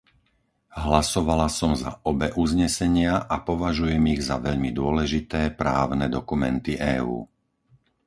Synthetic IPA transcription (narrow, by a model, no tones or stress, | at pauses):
ɦlasɔʋalasɔmza̰ʔɔbɛʔuzɲɛsɛɲɪaʔapɔʋaʒujɛmiɣzaʋɛʎmid̪ʊɔlɛʒit̪ɛːpɾa̰ːʊnɛd̪ɔkumɛnt̪iʔɛːṵː